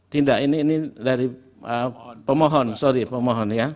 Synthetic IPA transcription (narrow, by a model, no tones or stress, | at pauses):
t̪indaʔiniːnidaɾi | əpəmɔɦɔnsoɾipəmoɦɔnja